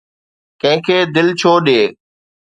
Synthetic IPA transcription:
kɐ̃ɦɪ̃kʰeːd̪ɪlt͡ɕʰoːɗeː

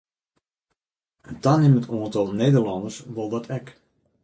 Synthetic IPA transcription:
əntanɪmətoəntɔlˠneːdərlɔndərsʋolˠdɔtʰɛk

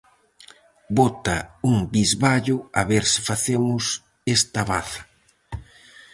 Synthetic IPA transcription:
bot̪ɐuŋbizβaʎʊaβeɾsɪ̥faθemʊs | est̪ɐβa̰θɐ̥

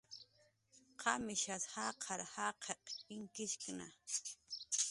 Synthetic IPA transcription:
qʰɑmɪʃat̪hɑqʰɑɾhaqʰeqɪŋkɪʃkna̰

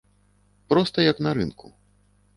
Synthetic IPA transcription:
pɾɔst̪ɐjɐknɐɾɨnkʰu

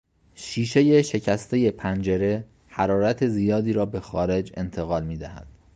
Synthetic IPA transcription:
ʃiːʃe̞je̞ʃe̞cʰæst̪ʰe̞je̞pʰænd͡ʒeɾe̞ | hæɾɒːɾæt̪ʰe̞zijɒːd̪iːɾɒːbe̞xɒːɾe̞d͡ʒe̞̰nt̪ʰe̞ɣɒːlmiːd̪æhæ̰d̪̥

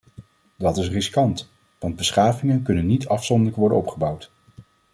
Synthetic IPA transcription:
dɑtɪsrɪskɑnt | ʋɑnd̚bəsχaːvɪŋənkɵnənːitɑfsɔndələkʋɔɹdə̰nɔpχəbʌwt

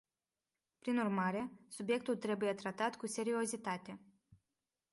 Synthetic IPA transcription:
pɾinurmaɾe̞subje̞k̚t̪ult̪ɾe̞buje̞t̪ɾat̪at̪kuse̞ɾio̞zit̪at̪e̞

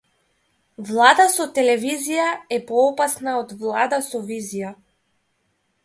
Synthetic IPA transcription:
vlˠad̪asɔt̪ɛlɛvizijaɛpɔɔpasnaɔd̪vlˠad̪asɔvizija

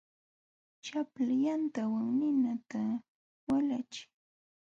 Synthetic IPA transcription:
t͡ʃaplajant̪awaŋnɪnat̪a | walat͡ʃɪ̥

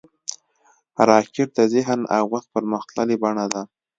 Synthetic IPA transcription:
aɾɑkɪɾ̚d̪azɪɦna̰wwax̚pəɾməxt̪lalebaɳad̪a

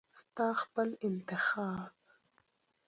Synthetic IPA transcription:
st̪ɑːxpəlɪnt̪ɪxɑːb

